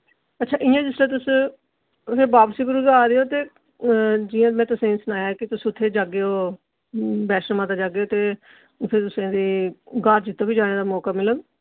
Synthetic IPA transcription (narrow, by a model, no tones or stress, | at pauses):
ətːʃʰaːʔɪjãːd͡ʒɪsleːt̪̬ʊs | pʰɪɾbaːbsiːɡʊɾuːɡaːd̪eːoːt̪eː | d͡ʒɪːãːmɛ̃ːt̪ʊsẽːsənaːjaːkɪt̪ʊsʊt̪ʰːeːd͡ʒaːɡeːoː | bɛːʃɾmãːt̪aːd͡ʒaːɡeoːt̪eː | ʊt̪ʰɪːt̪ʊsẽːd̪eːɡaːɾd͡ʒɪt̪ːõːbiːd͡ʒaːɽ̃eːd̪aːmɔːkaːmɪlən